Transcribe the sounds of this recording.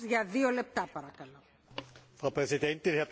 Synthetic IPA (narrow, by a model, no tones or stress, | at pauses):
zʝɐðio̞le̞p̚t̪ɐpɐɾɐkɐlo̞ | fʁapʁezidɛntɪnhɛɐ